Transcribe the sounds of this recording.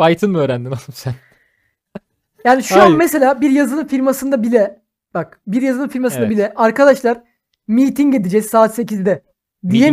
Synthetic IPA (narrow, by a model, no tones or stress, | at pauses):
fajt̪ʰɯnmɯøːɾænd̪inalˠumsæn | jaːniʃuamese̞lʲaːbiɾjazɯlˠɯnfiɾmasɯnd̪abilʲɛ | b̥akbiɾjazɯlˠɯnfiɾmasɯnd̪abilʲɛʔaɾkad̪aʃlˠaɾ | mijt̪ʰiŋɟed̪id͡ʒɛzsaːt̪se̞cizd̪ɛ | d̪ije